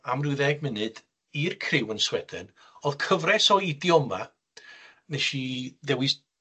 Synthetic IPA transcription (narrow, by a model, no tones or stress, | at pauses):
amruðɛɡ̚mɪnɨd̥ | irkʰrɪwənswɛd̥ɨ̰n | ɔð̥kʰəvrɛsɔidjɔma | neʃiðɛwɨs